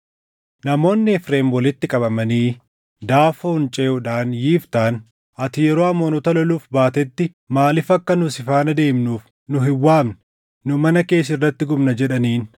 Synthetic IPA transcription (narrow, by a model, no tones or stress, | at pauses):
nɐmo̞ːnːɪɛfɾeːmwɔlɪt̪ːɪkʼɐbɐmɐniː | d̪aːfoːnt͡ʃʼeːʊᶑaːnjiːft̪aːn | ɐt̪ɪjɛɾo̞ːɐmoːnɔt̪ɐlɔluːfbaːt̪ɛt̪ːɪ | maːlɪfɐkːɐnʊsɪfaːnɐd̪e̞ːmnuːf | nʊɦɪwːaːmn | nʊmɐnɐke̞ːs̬ɪrːɐt̪ːɪɡʊbnɐd͡ʒɛᶑɐniːn